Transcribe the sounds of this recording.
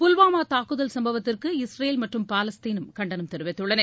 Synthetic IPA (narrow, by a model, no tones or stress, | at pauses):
pʊlʋaːmaːt̪aːkɯðɐlsɐmbɐʋɐt̪ːɪrkɯɪsɾɐjeːlmɐʈrɯmpaːlɐst̪iːnɯmkɐɳɖɐnɯmt̪ɛɾɯʋɐɪt̪ːɯɽɐne